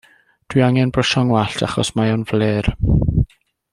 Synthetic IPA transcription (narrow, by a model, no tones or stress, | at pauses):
d̥wiaŋɛnbrəʃɔŋwaɬtʰa̰χɔ̰smajɔnvleːr